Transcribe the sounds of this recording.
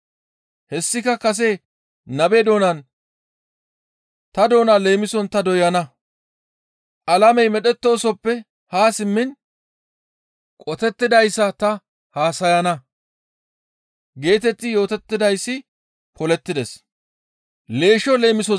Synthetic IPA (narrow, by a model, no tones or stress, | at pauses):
hɛsːɪkɐkɐs̬e | nɐbed̪o̞ːnɐn | t̪ɐd̪o̞ːnale̞ːmɪsɔnt̪ɐd̪ɔjɐnɐ | ʔɐlɐmɛjmɛɗɛt̪ːo̞ːsɔpːɛ | haːsɪmːɪn | kʼɔt̪ɛt̪ːɪd̪ɐjsːɐt̪ɐ | haːsɐjɐnɐ | ɡe̞ːt̪ɛt̪ːɪjo̞ːt̪ɛt̪ːɪd̪ɐjsːɪ | pɔlɛt̪ːɪd̪ɛs | le̞ːʃɔle̞ːmɪsɔ